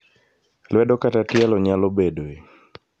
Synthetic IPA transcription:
lwɛɗɔkatatialɔɲalɔbɛɗoɛ

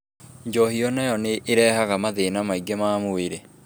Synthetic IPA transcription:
ɲd͡ʒɔhiɔnajɔneʔːɾɛːhaɣamaðenamaiɡemaːmoweɾe

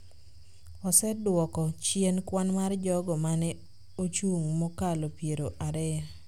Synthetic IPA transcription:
ɔsɛdwɔkɔt͡ʃienkwanmard͡ʒɔɡɔmanɛ | ot͡ʃuŋmɔkalopjeɾoʔaɾɛ

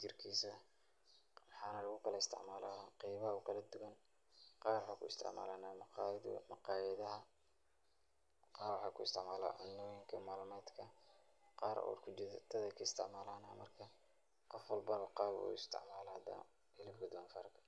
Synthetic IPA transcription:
t͡ʃɪrkʰiːsɐ | mɑħɑːnɐlɐɣʊkʰɐlɐɪst̪ʰɪ̰ʕmaːlaɐqɑjβɐɦɐkʰɐlɐd̪ʊɣɐn | qɑːrwħaːkʰʊɪst̪ʰɪ̰ʕma̰ːlaːnaːmɑqːðmɐqɑːjɐðɐɦɐ | qɑːɾwɑħɑːkʰʊɪst̪ʰɪʕmaːla̰ːʕʊnːɔːjɪŋkʰɐmaːlmaːd̪kʰɐ | qɑːɾʔw̰rkʰʊd͡ʒɪðt̪ʰɐðɐkʰɐɪst̪ʰɪ̰ʕmaːlaːnaːmɐrkʰɐ | qɔfwɐlbɐβɐqɑːβʊ̰ṵɪst̪ʰɪ̰ʕmaːlad̪a̰ | ɪlɪbɡɐd̪ɔːnfɐ̰ːrkʰɐ̥

